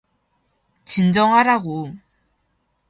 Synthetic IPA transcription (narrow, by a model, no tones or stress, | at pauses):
t͡ɕind͡ʑʌŋɦaɾaɡo